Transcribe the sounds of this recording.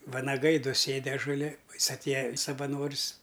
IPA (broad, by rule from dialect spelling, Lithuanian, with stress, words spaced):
ʋɐnɐˈɡɐɪ ˈdʊ ˈsʲeːdʲɪ ɐʒʊˈlʲɪ oː ˈjɪs ɐtʲˈeːjɛ sɐʋɐˈnoːrs